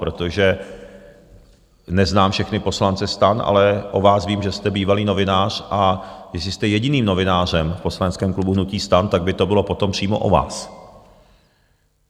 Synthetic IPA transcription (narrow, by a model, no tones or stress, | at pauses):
pɾo̞t̪oʒɛ | nɛznaːmfʃɛxnɪpo̞slant͡sɛst̪anʔa̰lɛʔo̞vaːsviːmʒɛst̪ɛbiːvaliːno̞vɪnaːr̝̥ʔajɛsɪst̪ɛjɛɟɪniːmno̞vɪnaːr̝ɛmfpo̞slanɛt͡sskɛːmklubuɦnuciːst̪ant̪aɡ̚bɪt̪o̞bɪlo̞po̞t̪o̞mpr̝̥iːmo̞̰ʔo̰va̰ːs